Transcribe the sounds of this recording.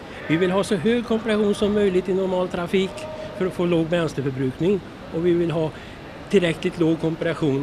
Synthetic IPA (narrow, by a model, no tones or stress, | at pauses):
vɪvɪlɦɑːsɔɦøːɡkʰɔmpɪɾaɧuːnsɔmːœjlɪɡt̪ɪnʊɾmɑːlt̪ʰɾafiːkfœɾɔfoːloːɡvɛnst̪əfœɾbɾʉ̟ːknɪŋ | ʔɔvɪvɪlɦɑː | t̪ʰɪlɾɛkːlɪt̪loːɡ̚kʰɔmpɪɾaɧuːn